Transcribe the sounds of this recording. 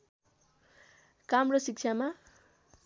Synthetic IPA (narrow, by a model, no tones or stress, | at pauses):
kamrʌsik̚t͡ʃʰama